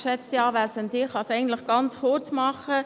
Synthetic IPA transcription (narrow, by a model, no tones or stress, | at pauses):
ʃɛt͡st̪iɑːvæsənd̪ɪχɑsɛɪɡən̩t̪lɪχɡ̥ɑnt͡sχʊɾt͡smɑχə